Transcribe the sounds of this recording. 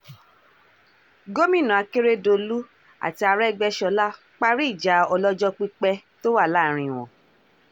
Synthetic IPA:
ɡo˦mĩ˦˨nã˨a˨˧ke˦ɾe˦do˧lu˦ | a̰˨ti˧a˧ɾɛ˦ɡ͡bɛ˧ʃɔ˧la˦ | k͡pa˧ɾi˦i˦˨d͡ʒa˨˦ɔ˧lɔ˦d͡ʒɔ˦k͡pi˧k͡pɛ˧to˦wa˦˨la˦˨˦ɾ̃ĩ˧˨w̃ɔ̰̃˨

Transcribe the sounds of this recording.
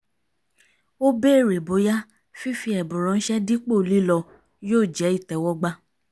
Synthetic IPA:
o˦be˦˨ɾe˨bo˨˦ja˦ | fi˦fi˧ɛ˨bũ˨ɾ̃ɔ̃˧n̩˦ʃɛ˦di˦k͡po˦˨li˦lɔ˧ | joː˦˨d͡ʒɛ˨˦i˦˨tɛ˨wɔ˧˦ɡ͡ba˧

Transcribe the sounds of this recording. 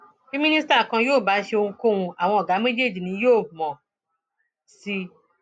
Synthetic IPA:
fi˦mĩ˦ni˦sta˦˨kã˧joː˦˨ba˨˦ʃe˧o˧ŋũ˧kõ˦ũ˧a˨w̃ɔ̃˧ɔ˨ɡa˨˦me˦d͡ʒe˦˨d͡ʒi˨nĩ˨˦joː˦˨mɔ̃˨ | si˧

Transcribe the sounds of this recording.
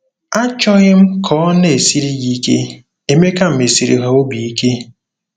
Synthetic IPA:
a˦t͡ʃɔ˦ɣɪ˦m̩˦kʰɔ˨˦ɔ˦ne˨e˨si˦ɾi˦ɣi˦ke˦ | e˦me˦ka˦m̩˦me˨si˨ɾḭ˨ɦa˨o˦bi˨i˦ke˦

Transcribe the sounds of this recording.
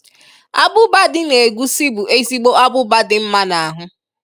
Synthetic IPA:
a˦bʊ˦ba˦dɪ˦ne˨ɡʷu˦si˦bu˨e˦zi˦ɡ͡bo˦a˦bʊ˦ba˦dɪ˦m̩˦ma˦na˨a˨ɦʊ˦

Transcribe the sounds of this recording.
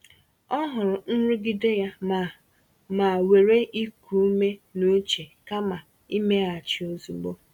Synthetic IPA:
ɔ˦ɦʊ˨ɾʊ˨n̩˦ɾʊ˦ɡɪ˦de˦ja˦˨ | ma˨we˨ɾe˦ʔi˦kʰu˨u˦me˦nu˦t͡ʃe˨ka˦ma˨ | i˦me˦a˨t͡ʃɪ˨o˦zu˨ɡ͡bo˦

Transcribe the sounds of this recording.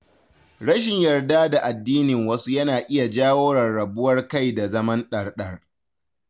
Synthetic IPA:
ɽɐ˦ʃɪ˨ɲjɐ˨rda˦da˨ʔa˨dːiː˦nɪ˨ŋwɐ˦su˦jɐ˦naː˨ʔɪ˦ja˨d͡ʒaː˦woː˦ɽɐ˨rːɐ˨bʊ˦wɐ˦rka˦˨jda˨zɐ˦mɐ˦nɗɐ˨rɗɐ˦r

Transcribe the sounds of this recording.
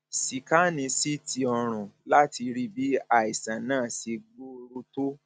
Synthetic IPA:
si˨ka˦nĩ˧si˦ti˧ɔ˧ɾ̃ũ˨la˦ti˧ɾi˦bi˨˦a˦˨i˨sã˨nãː˦˨si˧ɡ͡bo˦˧ɾo˧˦to˦

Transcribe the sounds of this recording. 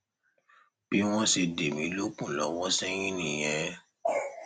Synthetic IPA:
b̥i˦w̃ɔ̃˦se˧de˨mĩ˨˦lo˦k͡pũ˦˨lɔ˨˦wɔ˦sɛ̃˦j̃ĩ˦nĩ˨j̃ɛ̃˨˧

